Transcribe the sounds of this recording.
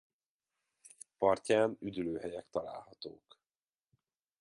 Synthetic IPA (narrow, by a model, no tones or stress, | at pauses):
pɒrcaːnyd̪yløːɦɛjɛkt̪ɒla̰ːlhɒt̪oːk